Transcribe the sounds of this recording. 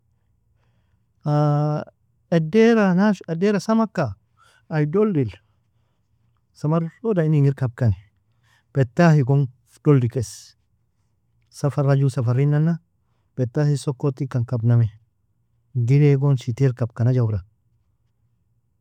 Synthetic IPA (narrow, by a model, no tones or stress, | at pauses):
a | edeɾanaedeɾasamakːaː | jdoldil | samaɾsodainiŋiɾkab̚kani | pɛt̪ːahiɡon | d̥oldikes | safaɾad͡ʒusafaɾinːanːa | pɛt̪ːahisokːot̪ːikːankabname | ɡiɾeɡonsit̪iɾkab̚kanad͡ʒawɾa